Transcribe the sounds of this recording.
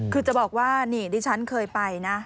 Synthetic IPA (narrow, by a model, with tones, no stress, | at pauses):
kʰɯː˧t͡ɕa˨˩bɔː˨˩k̚waː˥˩niː˧˩diː˧˩t͡ɕʰa˦˥nkʰɤː˧jpa˧jna˦˥